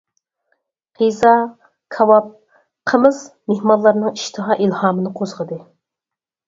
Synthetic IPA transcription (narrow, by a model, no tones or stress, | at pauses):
qʰizɑ | kʰɑwɑp̚ | qʰəmɨz̥mehmɑnlˠːɑɾnɨŋiʃt̪ʰɨɦɑːʔilhɑːmɨnɨqʰozʁəd̪ɨ